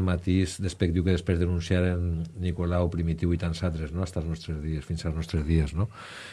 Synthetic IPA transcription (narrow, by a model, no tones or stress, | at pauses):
mat̪izd̪espek̚d̪iwkeðespɾezðenunsjaɾenːikolawpɾimit̪iwit̪ansalt̪ɾeznoast̪alznɔst̪ɾezðiesfinsalˠznɔst̪ɾezðiezno